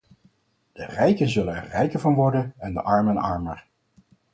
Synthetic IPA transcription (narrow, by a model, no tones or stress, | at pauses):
d̥ərɛjkənzɵlənɛ̰ɹrɛjkəɹvɑnʋɔɹdənɛndə̰ʔɑɹmənɑ̰ɹməɹ